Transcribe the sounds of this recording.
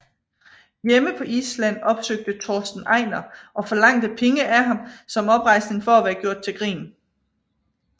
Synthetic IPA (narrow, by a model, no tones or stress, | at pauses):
jeməpʰɒ̽ʔḭːslæn̰ɒ̽b̥søɡ̥̚d̥ət͡sʰɒːsd̥n̩ʔɑ̈ɪnɐʔɒ̽fɒ̽lɑ̈ŋ̰d̥əpʰeŋəʔæɑ̈msɒ̽mɒ̽b̥ʁɑ̈ɪsne̝ŋfɒ̽æʋæɐɡ̥jo̝ɐ̰d̥̚t͡sʰe̝lɡ̥ʁḭːn